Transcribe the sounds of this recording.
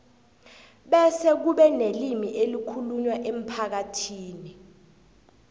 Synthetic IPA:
ɓɛsɛk̬uɓɛnelimiʔelikʰuluɲwaʔem̩pʰak̬atʰiːni

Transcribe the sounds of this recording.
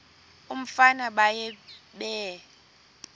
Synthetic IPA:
um̩fanaɓajɛ | ɓɛ

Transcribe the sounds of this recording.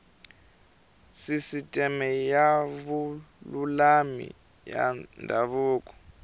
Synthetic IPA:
sisitʼɛmɛjaβululamḭ | ja̰ndʱaβuːkʼɔ̥

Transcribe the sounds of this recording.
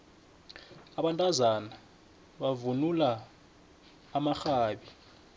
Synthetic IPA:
aɓantʼazana | ɓavunula | maxaːɓi

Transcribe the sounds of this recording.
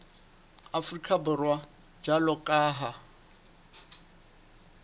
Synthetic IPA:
afrikʰʼabʊrwa | d͡ʒalɔkʼaːɦa

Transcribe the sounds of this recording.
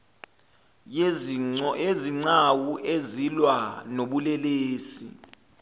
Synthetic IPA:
eziŋ͡ǀawuʔezilwanoɓulɛleːsḭ

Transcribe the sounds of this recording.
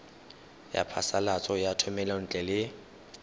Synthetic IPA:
ja̰pʰa̰salat͡sʼɔjatʰʊmɛlan̩t͡ɬʼɛlɪ

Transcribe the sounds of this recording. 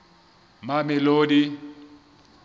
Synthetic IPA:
mamɪloːdi

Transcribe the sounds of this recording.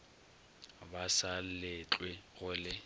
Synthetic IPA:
basallɪt͡ɬʼweɣʊlɪ

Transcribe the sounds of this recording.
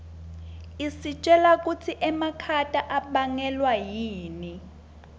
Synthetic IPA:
isit͡ʃʼɛlak̬ʼutʰiʔɛmakʰatʼaʔaɓaŋɛlwajiːni

